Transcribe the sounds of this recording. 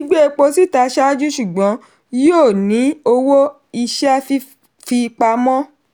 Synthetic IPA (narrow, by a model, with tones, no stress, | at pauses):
i˦ɡ͡be˦e˧k͡po˧si˦˨ta˧ʃa˦d͡ʒu˦ʃu˦˨ɡ͡bɔ̃˨˦ | jo˦˨nĩ˨˦o˧wo˦ | i˧ʃɛ˦fi˦ | fi˧k͡pa˧mɔ̃˦